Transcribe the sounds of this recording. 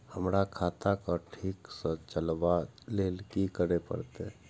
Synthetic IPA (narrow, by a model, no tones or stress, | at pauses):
həmɾakʰaːt̪akaʈʰiːksə̃t͡ʃəlʋaleːlkikəɾepə̰ɾt̪e